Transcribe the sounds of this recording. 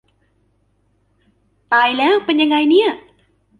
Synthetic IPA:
t̪aː˧jlɛː˦˥wpe˧nja˧ŋa˧jni˥˩ɐʔ

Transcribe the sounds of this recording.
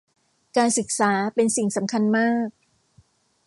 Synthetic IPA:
kaː˧nsɯ˨˩k̚saː˩˦pe˧nsi˨˩ŋsa˩˦mkʰa˧nmaː˥˩k̚

